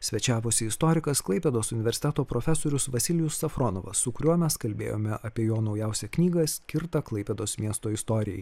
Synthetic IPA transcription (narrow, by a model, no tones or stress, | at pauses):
sʲʋʲɛt͡ʃʲæːʋoːsʲɪɪst̪oːɾʲɪkɐsklˠɐɪpʲɛd̪oːsʊnʲɪʋʲɛɾʲsʲɪ̥t̪ʲɛt̪oːpɾoːfʲɛsoːɾʲʊsʋɐsʲɪlʲɪjʊsːɐfɾoːnoːʋɐ̰sʊkʊɾʲuɔmʲɛskɐlʲbʲḛːjo̰ːmʲɛʔɐpʲiɛjoːnɒʊjɛˑʊsʲɛknʲiːɡɐsʲkʲɪɾt̪ɐklˠɐɪpʲɛd̪oːsmʲiɛst̪oːɪst̪oɾʲɪjɛ̰j